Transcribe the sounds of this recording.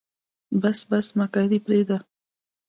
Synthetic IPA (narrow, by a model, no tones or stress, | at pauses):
basbasmakaɾipɾed̪a